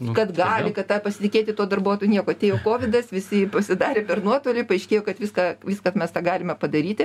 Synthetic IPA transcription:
kɐt̪ɡɑːlʲɪkɐtt̪ɑːpɐsʲɪt̪ʲɪkʲeːt̪ʲɪt̪uɔd̪ɐrbuːt̪ojunʲiɛkoːɐt̪ʲeːjoːkoːʋʲɪd̪ɐsʋʲɪsʲɪpɐsʲɪd̪ɑːɾʲeːpʲɛrnuɔt̪oːlʲɪpɐɐɪʃʲkʲeːjoːkɐt̪ʋʲiskɑʋʲiːskɐt̪mʲɛst̪ɑːɡɑːlʲɪmʲɛpɐd̪ɐɾʲiːt̪ʲɪ

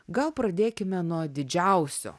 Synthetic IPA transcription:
ɡɐlˠpɾɐd̪ʲeːkʲɪmʲɛnuɔd̪ʲɪd͡ʒʲɛʊsʲo̰ː

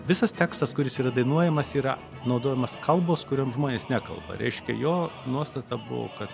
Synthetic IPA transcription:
ʋʲɪsɐst̪ʲæːkst̪ɐskʊɾʲɪsiːɾɐd̪ɐɪnuɔjɛmɐsiːɾɐ | nɒʊd̪oːjɛmɐskʰɐlˠboːskʊɾʲoːmʒmoːnʲeːsnʲæːkɐ̰lˠbɐ̰ɾʲʔɛ̰ɪʃʲkʲɛ̰joːnuɔst̪ɐt̪ɑbʊ̰ʋo̰ːkɐt̪

